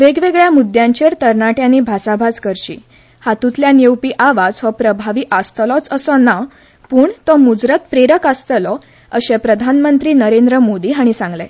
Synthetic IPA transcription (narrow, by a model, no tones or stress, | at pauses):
ʋeɡʋeɡɭjamud̪jãɲt͡ɕeɾt̪əɾnaʈjãnibʱasabʱad͡zkəɾt͡ɕḭː | hat̪ũt̪ljanjewpiːʔaʋad͡zʋɔpɾəbʱaʋiːʔast̪lɔt͡səsɔna | puːɳt̪ɔmud͡zɾət̪̚pɾeɾəkast̪əlɔ | əɕɛ̃pɾəd̪ʱanmənt̪ɾiːnəɾend̪ɾəmod̪iːɦaɽ̃isãŋɡlɛ